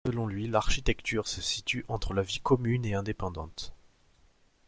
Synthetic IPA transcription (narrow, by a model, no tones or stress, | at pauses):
səlɔ̃lɥilaʁʃit̪ɛkt̪yʁsəsit̪yʔɑ̃t̪χəlavikɔmyneɛ̃d̪epɑ̃d̪ɑ̃t̪